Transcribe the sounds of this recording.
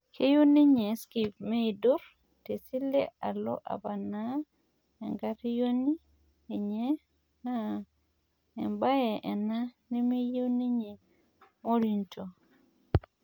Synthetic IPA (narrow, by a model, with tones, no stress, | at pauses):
kʰe˦jo˦ne˦ɲe˨ski˨p̚me˦i˨du˦ɾ | te˨si˦le˦a˨lɔ̰˦ʔa̰˨ba˨na˦ | ɛ˨ŋɡa˦ti˦jo˦ni˦ | e˨ɲe˦ | a˦˨ | mba˦jɛ˨ʔɛ˨na˦ne˦me˦je˦wne˦ɲe˨ | mo˦ɾi˨nto˨